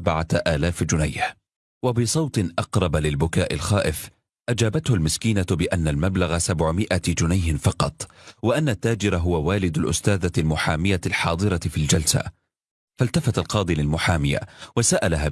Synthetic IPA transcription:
bʕaʔaːlaːfd͡ʒʊnajh | wabɪsˤɑwt̪ˤɨnʔɑqɾˤɑbalɪlbʊkaːʔɪ̰lxaːʔɪf | ʔad͡ʒaːbat̪hʊlmɪskiːnabɪʔanːalmablaɣasabʕʊmɪʔad͡ʒʊnajhɪnfɑqɑt̪ˤwɪʔanːat̪ːaːd͡ʒɪɾaɦʊwawaːlɪd̪alʔʊ̰st̪aːðalmʊħaːmɪjalħɑːd̪ˤɨɾɑfild͡ʒalsa̰ | falt̪afat̪alqɑːd̪ˤilɪlmʊħaːmɪja̰wasaʔalaɦaː

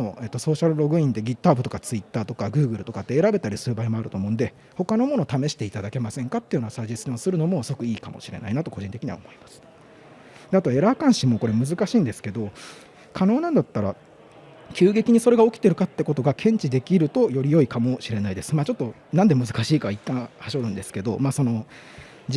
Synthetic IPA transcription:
noe̞t̪ːo̞so̞ːɕaɾɯ̟ɾo̞ɡɯ̟ĩnd̪e̞ɡʲit̪ːaːbɯ̟t̪o̞kat͡sɨit̪ːaːt̪okaɡɯ̟ːɡɯ̟ɾɯ̟t̪o̞kat̪ːe̞ːɾabe̞t̪aɾʲisɨɾɯbaimo̞aɾɯ̟t̪o̞ːmo̞ɯ̃nd̪e̞ | ho̞kano̞mo̞no̞t̪ame̞ɕi̥t̪e̞it̪ad̪ake̞masẽ̞ŋkat̪ːeɯjonasaʑisɨɲẽsɨɾɯ̟no̞mo̞skɯ̟iːkamo̞̰ɕiɾe̞̰na̰inat̪o̞ko̞ʑĩnt̪e̞kʲiɲ̟iβa̰omo̞imḁsɨ̥ | d̪̥eat̪o̞e̞ɾakãɰ̃ɕimo̞ko̞ɾe̞mɯ̟zɨkaɕĩːnd̪e̞sɨ̥ke̞d̪o̞ | kʰano̞ːnãnd̪at̪ːaɾa | kʲʰɨːɡe̞kʲiɲ̟iso̞ɾe̞ɡao̞kʲi̥t̪e̞ɾɯ̟kat̪ːe̞ko̞t̪o̞ɡakʰẽ̞ɲ̟t͡ɕid̪e̞kʲiɾɯ̟t̪o̞jo̞ɾʲijo̞ikamo̞ɕiɾe̞naid̪e̞sɨ̥maːt͡ɕo̞t̪ːo̞nãnd̪e̞mɯ̟zɨkaɕiːkait̪ːãɰ̃haɕo̞ɾɯ̟̃nd̪e̞sɨ̥ke̞d̪o̞̰maːso̞no̞

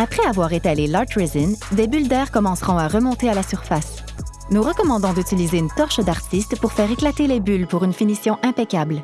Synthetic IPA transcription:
apχɛavwaːʁet̪alelaʁt̪ʁezind̪ebyld̪ɛːʁkɔmɑ̃sʁɔ̃aʁəmɔ̃t̪ealasyʁfas | nuʁəkɔmɑ̃d̪ɔ̃d̪yt̪ilizeynt̪ɔʁʃd̪aʁt̪ist̪puʁfɛːʁeklat̪elebylpuʁynfinisjɔ̃ʔɛ̃pekʲabl

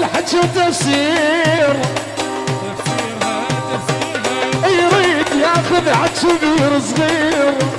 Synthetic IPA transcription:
lħaʃawt̪ːafsiːɾ | jɾiːd̪jaːxʊðʕaʃuðiːɾsˤɣiːɾ

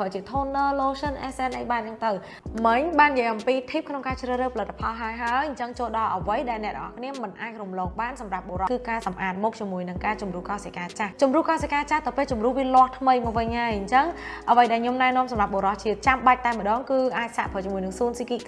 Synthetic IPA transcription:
ət͡ɕiət̪ʰoːnəːloːsənʔɛːsɛnʔəjɓaːnɲɨŋt̪ɨw | mɨɲɓaːnjəjʔɑmpiːt̪ʰiːp̚kʰnoŋkaːt͡ɕrəːhrəːhpʰalɨt̪ːḁpʰɑlɦaəjɦaəjɲt͡ɕəŋt͡ɕoːlɗɑlʔəʋəjɗaɛlnɛ̆əʔrə̰ʔɑ̰hkʰniəmɨnʔaːc̚rumloːk̚ɓaːnsɑmrap̚ɓo̰ɾɑkɨːkaːsɑmʔaːt̪̚mɔːk̚t͡ɕiəmuəjnɨŋkaːt͡ɕumrukɑːsakaːt͡ɕaht͡ɕumruəhkɑːsakaːt͡ɕaht̪ɨwpeːlt͡ɕumruəhʋiəlŏəht̪ʰməjmɔək̚ʋɨɲhaəjɲt͡ɕəŋʔəʋəjɗaɛɲomnaɛnŏəmsɑmrap̚ɓoɾɑht͡ɕiət̪̚t͡ɕamɓac̚t̪aɛməɗɑːŋkɨːʔaːc̚sa̰ʔpʰət͡ɕiəmuəjnɨŋsuənsikiː

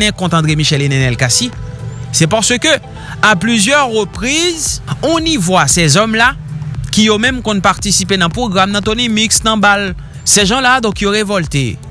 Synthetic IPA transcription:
nɛ̃kɔ̃t̪ɑ̃d̪emiʃɛlenɛnɛlkasisɛpaʁsəkø | aplyzjœʁːəpʁizɔ̃nivwasɛzɔmla | kʲijomɛ̃mkɔ̃npaʁt̪isipenɑ̃pʁoɡʁamnɐ̃t̪onimiksnɑ̃bal | sɛʒɑ̃lad̪ɔ̃kjoʁevɔlt̪ḛ

